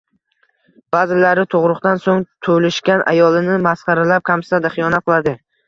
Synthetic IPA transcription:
b̥azɪlaɾɪt̪ʰoʁɾʊqt̪ansoŋt̪ʰolɪʃkʲanʔa̰jɒlˠɪnɪmasχɑɾalap̚kʲʰamsɪ̥sad̪aχɨjɒnat̪qɨlˠad̪ɪ

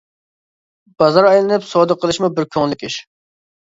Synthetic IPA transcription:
b̥ɑzɑɾɑjlˠɨnɨpsɔːd̪əqʰəlˠɨʃmubɪɾkʲʰøŋlɪkʲiʃ

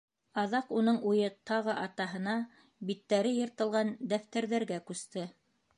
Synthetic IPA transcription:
ɑðɑqunɤɴujɤt̪ɑʁɤʔɑt̪ɑɦɤ̆nɑ | bit̪ːæɾɘjɤ̆ɾt̪ɤ̆lˠʁɑnd̪æft̪æɾðæɾɡækʉst̪ɘ

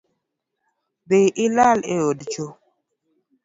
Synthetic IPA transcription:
beʔilaleodt͡ʃo

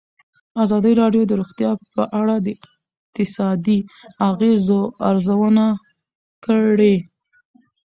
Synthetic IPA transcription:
azɑd̪əɾɑɖjod̪əɾoɣt̪jɑpəʔaɽad̪əɪ | q̚t̪ɪsɑd̪iaɣezoaɾzawəna | kəɽe

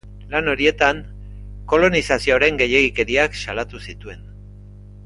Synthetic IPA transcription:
lano̞ɾie̞t̪an | ko̞lo̞nisasio̞ɾe̞ŋɡe̞je̞ɣike̞ɾiaksalat̪usit̪ue̞n

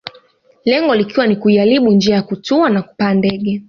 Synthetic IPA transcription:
lɛŋɡɔlikiwanikuialiɓund͡ʒiajakutuanaku̥paːndɛɠɛ

